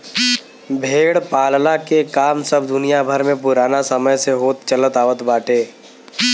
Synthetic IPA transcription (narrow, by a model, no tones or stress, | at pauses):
bʱeːɽpaːllakekaːmsəbd̪ʊnijabʱəɾmẽp̬ʊɾaːnasəməjseɦoːt̪̚t͡ʃələt̪aːʋət̪baːʈʰeː